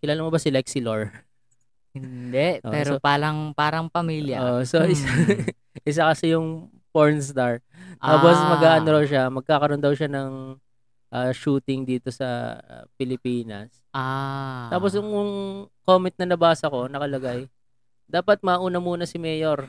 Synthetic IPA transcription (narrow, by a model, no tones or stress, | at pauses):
kɪlaːlamɐbɐsɪlɛksɪloɹ | hɪnd̪ɛʔʔopɛːɾoopaːɾɐŋpaːɾɐŋpɐmiːljɐʔoʔsoʔɪsa | ʔɪs̬ɐkɐsɪjʊŋ | poɹnst̪aɹt̪aːposmɐɡaːʔɐnɾoʃ̬amɐɡ̚kaːkɐɾo̞nd̪ɐwʃanɐŋ | ʔaːʃuːt̪ɪŋd̪iːt̪o̞sɐ̰pɪlɪpiːnɐ̰s | ʔat̪aːpo̞sjʊŋʊŋkoːmɛnt̪nɐnɐbaːsɐko̞nɐkɐlɐɡaj | d̪aːpɐt̪̚mɐːʔuːnɐmuːnɐsɪmɛːjo̞ɾ